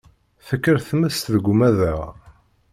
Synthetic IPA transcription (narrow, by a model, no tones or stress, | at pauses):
θəkːəɾθməst̪ðəɡʷʊmæðəʁ